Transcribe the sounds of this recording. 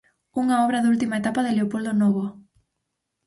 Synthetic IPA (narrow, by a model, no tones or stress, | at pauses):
uŋaɔβɾɐðult̪imaet̪apaðɪleopold̪onɔβo